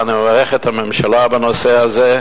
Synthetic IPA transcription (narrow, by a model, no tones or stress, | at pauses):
animəvaʁɛχɛt̪hamɛmʃalabanoseaze